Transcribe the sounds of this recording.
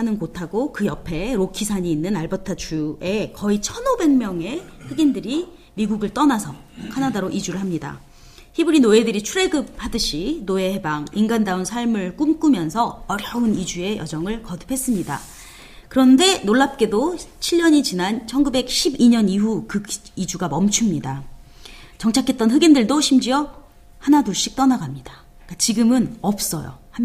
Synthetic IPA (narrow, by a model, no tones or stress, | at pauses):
hanɯnkotʰaɡokɯjʌpʰe̞ɾokʰisʰaɲiːnːɯnaɭbʌtʰat͡ɕʰue̞kʌit͡ɕʰʌnobe̞ŋmjʌŋe̞ɸweɡindɯɾi | miɡuɡɯɭt͈ʌnasʰʌ | kʰanadaɾoʔid͡ʑuɾɯɭɦamɲida̰ | çibɯɾinoe̞dɯɾit͡ɕʰuɾe̞ɡɯp̚hadɯɕʰinoe̞he̞baŋinɡandaunsʰaɭmɯɭk͈umk͈umjʌnsʰʌʌɾjʌɯnid͡ʑue̞jʌd͡ʑʌŋɯɭkʌdɯ̥pʰe̞s͈ɯmɲida̰ | kɯɾʌnde̞noɭːap̚k͈e̞dot͡ɕʰiʎːʌɲit͡ɕinant͡ɕʰʌnɡube̞k̚ɕʰibiɲʌniɦukɯid͡ʑuɡamʌmt͡ɕʰumɲida | t͡ɕʌŋt͡ɕʰakʰet͈̚ʌnɸɯɡindɯɭdoɕʰimd͡ʑiʌ | hanatuɭɕ͈ik̚t͈ʌnaɡamɲida | k͈at͡ɕiɡɯmɯnʌp̚s͈ʌjo̰ha